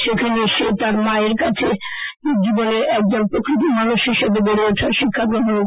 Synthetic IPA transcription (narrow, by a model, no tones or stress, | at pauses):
ʃekʰaneʃet̪aɾmaeɾkat͡ɕʰe | d͡ʑiboneɾɛk̚d͡ʑonpɾokɾit̪̬imanuʃɦiʃebebeɽeoʈʰaɾʃikʰːakɾoɦ̪no